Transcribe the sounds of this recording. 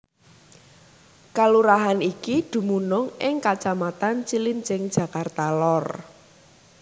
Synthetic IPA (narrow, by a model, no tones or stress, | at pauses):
kaluɾaɦanikid̪̥ṳmunʊŋʔɪŋkat͡ʃamat̪ant͡ʃilint͡ʃɪŋd̥d͡ʒʒ̥a̤kart̪alɔr